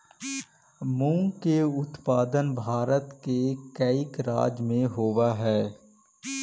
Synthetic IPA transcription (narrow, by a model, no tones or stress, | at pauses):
mũːkeʊt̪paːd̪ənbʱaːɾət̪kekəɪkɾa̰ːd͡ʒmẽɦoːʋaɦɛː